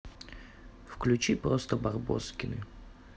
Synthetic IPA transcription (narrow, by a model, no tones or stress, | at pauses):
fklʲʉt͡ɕipɾost̪əbɐrbo̰skʲɪnɨ